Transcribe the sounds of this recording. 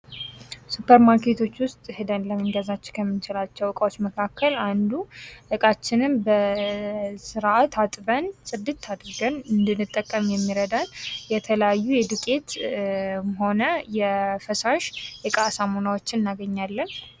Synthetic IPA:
supʰːəɾmaɾke̞t̪ʰo̞t͡ʃːwʊst̪ʼhɨd̪ənləmɨŋɡəzat͡ʃːɪ̥kʰəmːɨnt͡ʃɪlat͡ʃːɛwɨkʼwot͡ʃːməkʰakʰːəland̪uʔɨkʼat͡ʃːɪnɨmbə | sɨɾʔat̪at̪ʼbənsʼɨd̪ːɨt̪ʰːad̪ɾɨɡənɨnd̪ɨnːɨt̪ʼːəkʼːəmjɛmːiɾəd̪anjɛt̪ʰələjajːujɛd̪ɨkʼet̪ | ɦo̞nəjɛfəsaʃɨkʼasamonawot͡ʃːɪnnːaɡəɲːalːən

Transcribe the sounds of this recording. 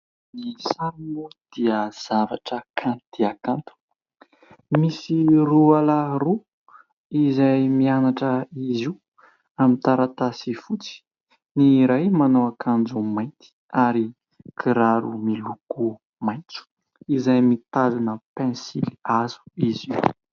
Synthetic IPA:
misaɾnud̪̥iəz̥avaʈ͡ʂəkʰãnt̪iakãnt̪u̥ | misirualaru | izajmianaʈ͡ʂəiziu | amint̪aɾat̪asifut͡si̥ | niɾajmanowakʰand͡ʒumajnt̪i̥ | aɾi | kʰiɾaɾumiluku | majnt͡su̥ | izajmit̪azinəpɛ̃nsiliazu̥iziw

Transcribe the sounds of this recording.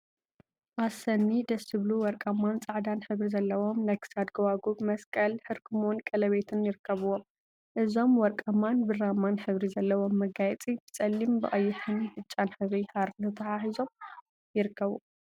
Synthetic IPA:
ʔasɐnːid̪ɐsɨβluwɔɾkʼɐmːant͡sʼaʕd̪anħɨβɾizɐlːɐwo̞mnajkʰɨ̥sad̪ɡɐwaɡubmɐskʼɐlħɨɾkʰɨmonkʼɐlɐβe̞t̪ʰɨnjɪɾɨkʰːɐβɨwom | ʔɨzo̞mwɔɾkʼɐmanbɨramːanħɨβɾizɐlːɐwo̞mːɐɡajɛt͡sʼibɨt͡sʼɐlːimbɨʔʼɐjːɪħɨnħɨt͡ʃʼːanħɨβɾihaɾt̪ʰɐt̪ʰɐħaħizo̞m | jɪɾɨkʰːɐβu

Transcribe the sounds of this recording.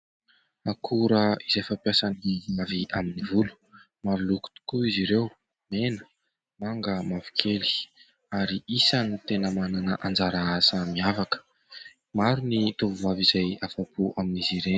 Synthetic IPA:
akʰuɾəizajfampjasanimaviʔaminivulu̥ | maɾuluku̥t̪u̥kuiziɾew | menə̥ | maŋɡəmavi̥kʰeli̥ | aɾiʔisanit̪enəmananəʔand͡zaɾaasəmiavakə̥ | maɾunit̪uvuvavizajafapuʔaminiziɾen

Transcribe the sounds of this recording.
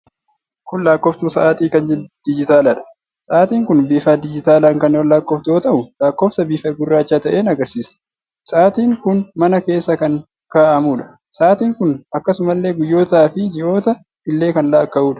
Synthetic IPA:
kʊnlaːkːɔft̪uːsɐʔaːt̪iːkɐnd͡ʒɛd̪̥ɪd͡ʒɪt̪aːlaᶑɐ̥ | sɐʔaːt̪iːŋkʊnbiːfaːd̪ɪd͡ʒɪt̪aːlaːŋkɐnwɔlːaːkːɔft̪oːt̪ɐʔʊlaːkːoːfsɐbiːfɐɡʊrːaːt͡ʃːaːt̪ɐʔeːnɐɡɐɾsiːsnʊ̥ | sɐʔaːt̪iːŋkʊnmɐnɐke̞ːsːɐkɐŋ | kaːʔɐmuːᶑɐ̥ | sɐʔaːt̪iːŋkʊnɐkːɐsʊmɐlːe̞ːɡʊjːo̞ːt̪aːfɪd͡ʒɪʔo̞ːt̪ɐ | ɪlːe̞ːkɐnlaːkːɐʔuːᶑɐ̥

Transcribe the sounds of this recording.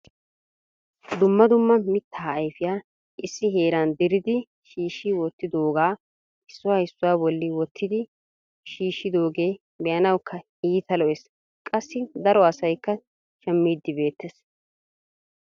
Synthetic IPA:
d̪ʊmːɐd̪ʊmːɐmɪt̪ːaːjfɪjaː | ʔɪsːɪheːɾand̪ɪɾɪd̪ɪ | ʃiːʃːɪwɔt̪ːɪd̪o̞ːɡaː | ɪsːʊwaːhɪsːʊwaːbɔlːɪwɔt̪ʰːɪd̪ɪ | ʃiːʃːɪd̪o̞ːɡe̞ː | bɛjɐnɐwkːɐ | iːt̪ɐlɔʔeːs | kʼɐsːɪd̪ɐɾɔɐsɐjkːɐ | ʃɛmːiːd̪ːɪbe̞ːt̪ːes

